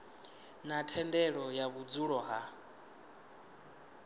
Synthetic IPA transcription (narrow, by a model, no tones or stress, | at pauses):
natʰɛndɛɺɔjaβud͡zuɺɔɦa